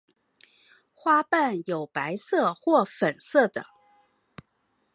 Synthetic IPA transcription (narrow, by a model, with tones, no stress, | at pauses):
xwa˥pa˥˩njo˨˩ʊpa˧˥ɪsɤ˥˩xwɔ˥˩fə˨˩nsɤ˥˩d̪ə˩